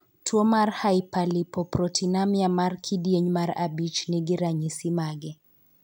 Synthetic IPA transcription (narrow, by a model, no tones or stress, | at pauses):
tʰuɔmarhaipalipɔpɾɔtʰinamjamarkʰidiɛɲmaɾa̰bit͡ʃniɡiɾaɲisimaɡɛ